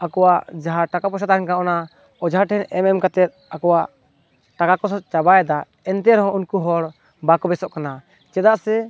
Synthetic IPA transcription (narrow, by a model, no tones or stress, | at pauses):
akɔwaʔd͡ʒaɦaʈakapɔʃat̪ankaʔɔna | ɔd͡ʒɦaʈʰɛnʔɛmɛmkat̪ɛt̪̚akɔwaʔ | ʈakakɔsɔt͡ʃabaɛd̪a | ɛnt̪ɛɾɦɔ̃unkuɦɔɽ | bakɔbɛsɔʔkana | t͡ʃɛd̪aʔsɛ